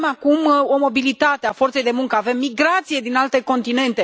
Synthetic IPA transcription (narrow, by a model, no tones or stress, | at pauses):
makumo̞mo̞bilit̪at̪eafo̞rt̪se̞jd̪e̞muŋkəave̞mːiɡɾat̪sije̞d̪inalt̪e̞ko̞nt̪ine̞nt̪e̞